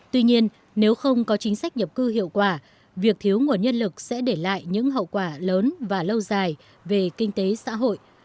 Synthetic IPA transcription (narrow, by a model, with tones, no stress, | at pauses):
t̪wi˧ɲi˧ən | ne˨˦wxə˧wŋ͡mkɔ˨˦t͡ɕï˨˦ŋ̟sa˦˥k̟̚ɲə˨˩p̚kɨ˧hḭ˧˨əwkwaː˧˩ | vi˨˩ək̚t̪ʰi˨˦əwŋu˨˩ənɲə˧nlɨ˨˩k̚sɛ̰˧˥ɗe˧˩la̰ː˧˨jɲɨ̰˧˥ŋɦə̰˧˨wkwaː˧˩ləː˨˦nvaː˨˩lə˧wzaː˨˩j | ve˨˩kï˧ŋ̟t̪e˨˦sa̰ː˧˥ɦo̰˧˨j